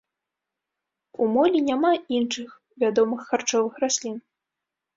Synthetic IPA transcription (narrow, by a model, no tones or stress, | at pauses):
umɔlʲinʲamainʂɨx | vʲad̪ɔmɨxːart͡ʂɔvɨxrasʲlʲin